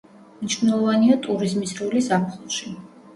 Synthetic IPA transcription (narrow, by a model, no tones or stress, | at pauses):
mniʃvnɛlˠɔvaniat̪ʼuɾizmisɾulisapʰχulˠʃi